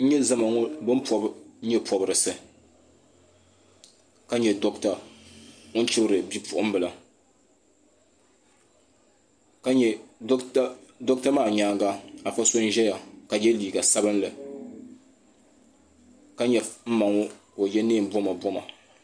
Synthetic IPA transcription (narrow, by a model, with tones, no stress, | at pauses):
n̩˦ɲɛ˦zɨ˦ma˨ŋɔ˦bɨ˦m˦pʰɔ˨bɲɛ˦pʰɔ˨bɨ˨ɾɨ˨sɨ˨ | ka˦ɲɛ˨do˦kta˨ | ʊ˦n̩˦t͡ʃɪ˦bɨ˦ɾɨ˨bi˦pʰʊ˨ʔʊ˦m˦bɨ˨la˨ | ka˦ɲɛ˨˦ | do˦k̚ta˦maː˦˨ɲaː˨˦˨ŋɡa˦a˨fa˦so˦n˦ʒɛ˦ja˨ka˨jɛ˦liː˨ɡa˨sa˦bɨ˦n˦lɨ˨ | ka˦ɲɛ˨m̩˦ma˨ŋɔ˦ko˨jɛ˦neː˦˨m̩˨bɔ˦ma˨bɔ˦ma˨